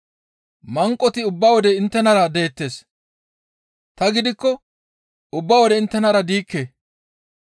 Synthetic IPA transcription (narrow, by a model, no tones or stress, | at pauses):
mɐŋkʼːɔt̪ɪʊbːɐwɔd̪ɛɪnt̪ːɛnɐɾɐd̪e̞ːt̪ːe̞ːs | t̪ɐɡɪd̪ɪkːɔ | ʊbːɐwɔd̪ɛɪnt̪ːɛnɐɾɐd̪iːkːe